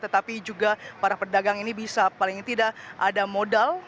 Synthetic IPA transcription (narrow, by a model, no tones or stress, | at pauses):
t̪ət̪apid͡ʒuɡapaɾapərdaɡaŋinibisapalɪŋt̪idaʔʔadamodal